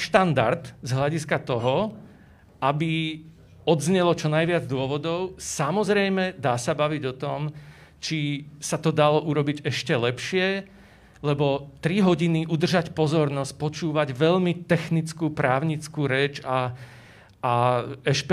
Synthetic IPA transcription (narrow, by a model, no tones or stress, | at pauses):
ʃt̪and̪aɾd̪zɦlaɟiskat̪ɔɦɔ | ʔabi | ɔd̪zɲɛlɔt͡ʃɔnajʋɪad͡zd̪ʊɔʋɔd̪ɔʊsamɔzɾɛjmɛd̪aːsabaʋiɟɔt̪ɔmt͡ʃisat̪ɔd̪alɔʔuɾɔbiɟɛʃcɛlɛpʃɪɛ | lɛbɔt̪ɾiɦɔɟiniʔud̪r̩ʒacpɔzɔɾnɔsc̚pɔt͡ʃuːʋaɟʋɛʎmit̪ɛxnit͡skupɾaːʊɲit͡skuːɾɛːt͡ʃaː | ɛʃp